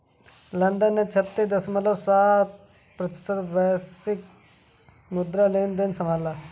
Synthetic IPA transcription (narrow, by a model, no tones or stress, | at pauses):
lɐnd̪ənːet͡ʃʰɐt̪ːid̪ɐsmɐlɐsat̪̚ | pɾɐt̪ɪ̥st̪ʰət̪bɐjsik̚ | mud̪ɾaleːnd̪ensɐmaːla